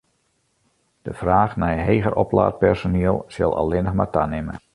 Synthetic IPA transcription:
d̥əfraːxnɛjɦejɣərʔɔpla̰ːt̚pɛrsoniəlˠsɪ̰lˠɑ̰lˠɪnəxmatanɪmə̰

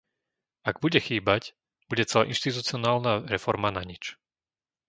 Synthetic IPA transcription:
aɡbuɟɛxiːbac | b̥uɟɛt͡sɛla̰ʔinʃt̪it̪ut͡siɔnaːlnaɾɛfɔɾmanaɲit͡ʃ

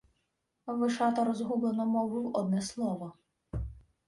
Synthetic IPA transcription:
ʋɪʃɑt̪ɐɾɔzɦublˠenɔmɔwɨwɔd̪nɛslˠɔʋɔ

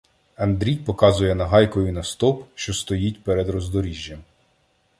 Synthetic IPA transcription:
ɐnd̪ɾʲijpɔkɑzʊjɛnɐɦɑjkɔjʊnɐst̪ɔpʃt͡ʃɔst̪ɔjitʲpɛɾed̪ɾɔzd̪ɔɾʲiʒʲːɐm

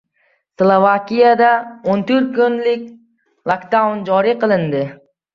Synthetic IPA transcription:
slˠovakʲijad̪aont̪ʰɵɾt̪̚kʰʊnlɪkʲ | lˠokd̪awnd͡ʒɒɾiqɨlˠɪnd̪ɪ

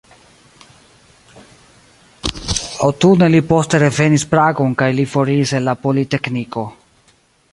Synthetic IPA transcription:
owtune̞lipo̞ste̞ɾe̞ve̞nispɾaɡo̞nkajlifo̞ɾiːsenlapo̞lite̞kniko̞

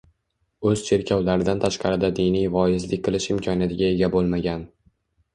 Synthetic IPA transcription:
ɵz̥t͡ʃʰe̞ɾkʲʰawlaɾɪd̪ant̪ʰaʃqɑɾɪd̪ad̪ɪjnijvɒɪzlɪk̚ʲqʰɨlˠɪʃɪmkʲʰɒnjat̪ʰɪɡʲae̞ɡʲabolˠmaɡʲan

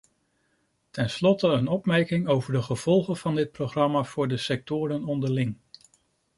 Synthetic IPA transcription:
tɛnslɔtəənɔpmɛɹkɪŋowvəɹdəχəv̥ɔlˠχənv̥ɑndɪt̚proχrɑmaːv̥ʊːɹdəsɛk̚tʊːɾənɔndəɹlɪŋ

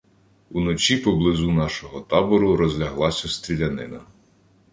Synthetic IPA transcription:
unɔt͡ʃʲipɔblˠɪzunɑʃɔɦɔt̪ɑbɔɾʊɾɔzʲlʲɐɦlˠɑsʲɐst̪ɾʲilʲɐnɪnɐ

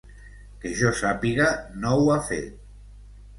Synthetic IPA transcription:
keʒɔsapiɣanowafḛt̪̚

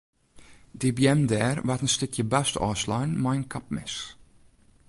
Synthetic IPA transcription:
dibjɛmdɛːrvatənstʏkʰjəbɛstɔ̰ːslɔjnmajnkʰap̚mɪ̰s

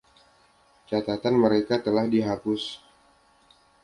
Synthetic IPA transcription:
t͡ʃat̪at̪anməɾekat̪əlahdiɦapʊs

